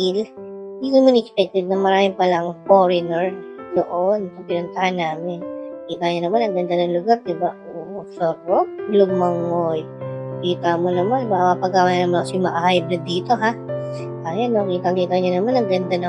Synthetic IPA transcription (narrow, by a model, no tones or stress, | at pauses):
ɪld̪iʊnmʊnɛkspɛk̚t̪ɛd̪̚nɐmɐɾaːmɪŋpɐlɐŋfoɾɪnɛɹd̪oʔont̪ɐpɪnʊnt̪ɐhanːaːmɪnkiːt̪ɐɲonɐmanːɐŋɡɐnd̪anɐŋlʊɡaɾd̪ɪbaoʔoːʔosopoloɡ̚mɐŋoj | kiːt̪ɐmonɐmanmɐʔmapɐɡawannɐmanosʊmɐʔɐhajblɛd̪iːt̪o̞ɦa | ʔajanokiːt̪ɐkiːt̪ɐɲonɐmanːɐŋɡɐnd̪anɐ